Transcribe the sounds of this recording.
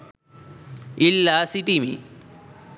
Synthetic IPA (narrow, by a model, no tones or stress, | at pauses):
ilːaːsiʈimḭ